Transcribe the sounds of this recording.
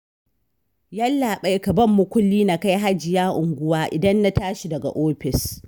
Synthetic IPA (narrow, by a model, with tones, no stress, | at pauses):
ja˦lːaː˨ɓa˦jkɐ˨bɐ˦mːʊ˨kʷʊ˦lːiː˦na˨ka˦jɦa˦d͡ʒɪ˨jaː˦ʔʊ˨ŋɡʷʊ˦waː˦ʔɪ˨dɐ˦nːa˦taː˦ʃi˨dɐ˨ɡa̰˨ʔoː˦ɸɪ˨s